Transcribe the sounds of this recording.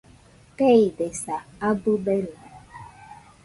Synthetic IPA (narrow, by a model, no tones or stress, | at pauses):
keidesaabʊbeɾu